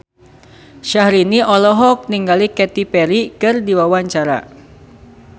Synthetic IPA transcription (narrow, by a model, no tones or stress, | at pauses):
ʃahɾiniʔɔlɔɦɔk̚niŋɡalikɛt̪ipɛɾikɨrdiwawaɲt͡ʃaɾa̰